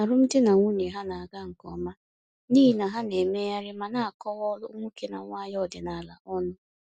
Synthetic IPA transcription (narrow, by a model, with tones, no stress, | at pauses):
a˨ɾʊ˦m̩˦dɪ˦na˨ŋʷu˦ɲe˨ɦa˦na˨a˨ɡa˦ŋ̩˨kɔ̰˨˦ma˦ | niː˦i˨na˨ɦa˦ne˨me˦ja˦ɾɪ˦ma˨na˦a˨kɔ˦wɔ˦lʊ̰˦ŋʷu˦ke˨na̰˨ŋʷa˦jɔ˦˨dɪ˨na˨la̰˨ʔɔ˦nʊ˦